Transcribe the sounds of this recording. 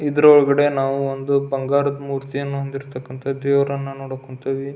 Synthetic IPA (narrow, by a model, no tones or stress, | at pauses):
id̪ɐɾɔɭɐɡɐɽe̞naːʋuond̪ubɐŋɡaːɾɐd̪muːɾt̪ijɐnːuɦond̪iɾt̪ɐkːɐnt̪ʰɐd̪eːʋɐɾɐnːɐnoːɽɐkoɳt̪iʋi